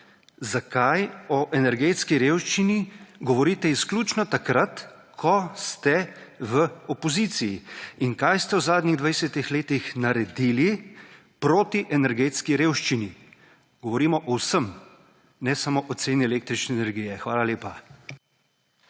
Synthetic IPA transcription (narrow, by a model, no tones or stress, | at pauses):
zakajɔʔɛnɛɾɡeːt̪skiɾeːwʃt͡ʃiniɡɔʋɔɾiːt̪ɛisklʲuːt͡ʃnɔt̪akɾat̪ | kʰɔst̪ɛʋəɔpɔziːt̪sijiiŋkajst̪ɛwzaːd̪nʲiɣd̪ʋajsɛt̪ixleːt̪ixnaɾɛd̪ili | pɾoːt̪iʔɛnɛɾɡeːt̪skiɾeːwʃt͡ʃini | ɡ̥ɔʋɔɾiːmɔʔɔwsəm | nɛsamoʔɔt̪seːniɛleːk̚t̪ɾit͡ʃnɛːnɛɾɡiːjɛxʋaːlaleːpa